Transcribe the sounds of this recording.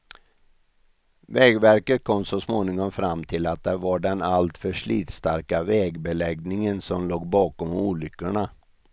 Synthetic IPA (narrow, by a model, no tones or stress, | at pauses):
vɛːɡvæɾkət̪̚kʰɔmːsɔsmoːnɪŋɔmfɾamːt̪ʰɪlat̪̚d̪æɾvaɖɛnalt̪fœʂɭiːt̪st̪aɾkavɛːɡbɛlɛɡnɪŋənsɔmloːɡbɑːkɔmuːlʏkːəɳa